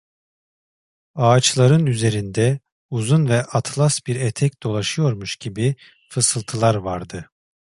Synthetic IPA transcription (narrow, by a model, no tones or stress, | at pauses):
aːt͡ʃlˠaɾɯnyze̞ɾind̪ɛ | uzunvɛʔat̪ʰlˠasbiɾɛt̪ʰɛcd̪̥o̞lˠaʃɯjo̞ɾmuʃɟ̥ibi | fɯsɯlˠt̪ʰɯlˠaɾvaɾd̪ɯ